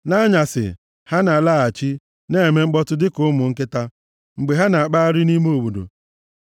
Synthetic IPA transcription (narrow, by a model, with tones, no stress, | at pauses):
na˦ɲa˨sɪ̰˨ | ha˦na˨la˦˨a˨t͡ʃi˦ | ne˦e˨me˦ŋ͡m̩˦k͡pɔ˦tʊ˦dɪ˦kʊ˦ʊ˦mʊ˨ŋ̩˦kɪ˦ta˦ | ŋ͡m̩˨ɡ͡be˨ɦa˦na˨a˨k͡pa˦ɾɪ˦ni˦me˦o˨bu˨do̰˨